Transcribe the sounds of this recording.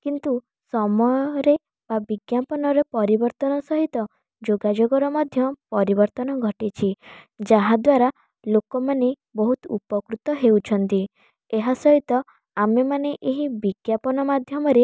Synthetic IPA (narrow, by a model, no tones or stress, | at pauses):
kint̪u | sɔmɔjɔɾe | b̥abiɡjapɔnɔɾepɔɾibɔɾt̪ɔnɔsɔɦit̪ɔ | d͡ʒoɡad͡ʒoɡɔɾɔmad̪ʱjɔpɔɾibɔɾt̪ɔnɔɡʱɔʈit͡ʃʰid͡ʒaɦad̪waɾa | lokɔmane | bɔɦut̪upɔkɾut̪ɔɦewt͡ʃʰɔnt̪i | eɦasɔɦit̪ɔ | amemaneʔeɦibiɡjapɔnɔmad̪ʱjɔmɔɾe